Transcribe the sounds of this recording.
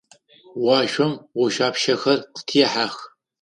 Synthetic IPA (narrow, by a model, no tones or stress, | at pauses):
wɑːʃʷɔmwɔʃaːpʃɐxɐrqtʰiːħaːx